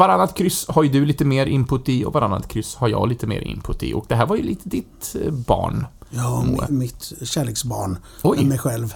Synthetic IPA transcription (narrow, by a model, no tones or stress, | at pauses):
vaɾanːat̪kʰɾʏshaɾjd̪ɵliːt̪əmeːɾʔɪmpʊt̪ːɪɔ̰vaɾanːa̰t̪kʰɾʏsːhaɾjɑ̰ːɡliːt̪əmḛːɾʔɪ̰mpʰɵt̪ːɪ̰ʔɔ̰k̚d̪ɛɦæːɾvaɾjɵliːt̪ʰəd̪ɪt̪bɑ̰ːɳɑmṵːə̰mɪt̪ɕæːleːksbɑ̰ːɳ | ɔjmɛjɧɛlv